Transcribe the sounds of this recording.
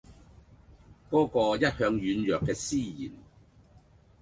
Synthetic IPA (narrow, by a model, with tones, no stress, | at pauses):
kɔː˨˥kɔː˧jɐ˥t̚hœː˧ŋjyː˨˧njœː˨kːɛː˧siː˥jḭː˨˩n